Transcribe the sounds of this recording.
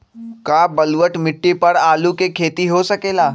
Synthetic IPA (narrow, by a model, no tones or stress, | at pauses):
kabɐlʋəʈmɪʈːipɐɾaːlukekʰeːt̪iɦosɐkeːlaː